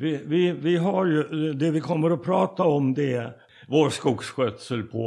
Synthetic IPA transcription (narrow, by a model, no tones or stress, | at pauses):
vɪvɪvɪɦaɾjɵd̪ɛvɪkʰɔmːəɾɔpʰɾɑːt̪aɔmd̪ɛ | voːɾʂkʊːɡsɧøt̪səlpʰɔ